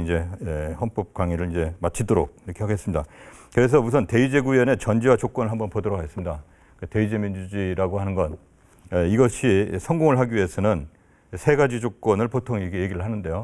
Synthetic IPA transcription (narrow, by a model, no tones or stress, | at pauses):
ind͡ʑe̞ehʌnp͈ʌp̚k͈waŋiɾɯɭind͡ʑe̞mat͡ɕʰidoɾok̚iɾʌkʰe̞ɦaɡe̞s͈ɯmɲidakɯɾe̞s̬ʰʌmus̬ʰʌnte̞id͡ʑe̞ɡuiʌne̞t͡ɕʌnd͡ʑiwat͡ɕok͈ʌnɯɭɦambʌnpodʌɾʌɡaɡe̞s͈ɯmɲida | kete̞id͡ʑe̞mind͡ʑud͡ʑiɾaɡoɦanɯnɡʌn | iɡʌɕʰisʰʌŋɡoŋɯɭɦaɡiɥie̞sʰʌnɯn | sʰe̞ɡad͡ʑid͡ʑok͈wʌnɯɭpotʰoŋiɡeje̞ɡiɾɯɭhanɯnde̞jo